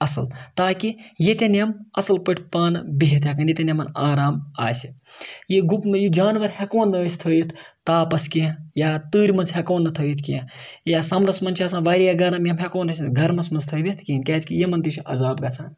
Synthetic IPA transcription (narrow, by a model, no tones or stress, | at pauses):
ɐsɐlt̪aːkijet̪ʲenjɐmɐsɐlpəʈʰʲpaːnɨbiɦit̪hɐkɐnjet̪ʲɐnjɐmɐnaːɾaːma̰ːsijiɡupmejid͡ʒaːnʋɐɾhekoːnːəːsʲt̪ʰəːjit̪ʰ | t̪aːpɐskiɐjaːt̪ɨːɾʲmɐnzɦʲekoːnːɐt̪ʰəːjit̪ʰkiɐ̃jaːsɐmɾɐsmɐnt͡ʃʰiɐsãːnʋaːɾijaɡɐɾɐmjɐmɦekoːnɐsɡʱɐɾmɐnsmɐnzt̪ʰəːʋʲit̪ʰkiːnʲkʲaːt͡skijemɐnt̪iʃʰiʔɐ̰zaːbɡɐsʰaːn